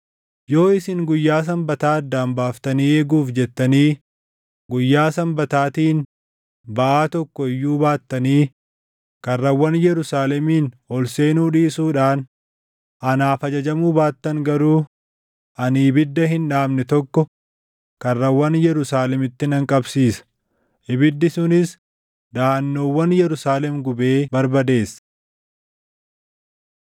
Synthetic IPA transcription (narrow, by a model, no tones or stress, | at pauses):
jo̞ːɪsɪŋɡʊjːaːs̬ɐmbɐt̪aːɐd̪ːaːmbaːft̪ɐniːeːɡuːfd͡ʒɛt̪ːɐniː | ɡʊjːaːsɐmbɐt̪aːt̪iːn | bɐʔaːt̪ɔkːɔɪjːuːbaːt̪ːɐniː | kɐrːɐwːɐnjɛɾʊsaːlɛmiːnhɔlse̞ːnuːᶑiːsuːᶑaːn | ʔɐnaːfɐd͡ʒɐd͡ʒɐmuːbaːt̪ːɐŋɡɐɾuː | ʔɐniːbɪd̪ːɐɦɪnᶑaːbnɛt̪ɔkːɔ | kɐrːɐwːɐnjɛɾʊsaːlɛmɪt̪ːɪnɐŋkʼɐbsiːsɐ̥ | ʔɪbɪd̪ːɪsʊnɪs | d̪aːnːoːwːɐnjɛɾʊsaːlɛmɡʊbe̞ːbɐɾbɐd̪e̞ːs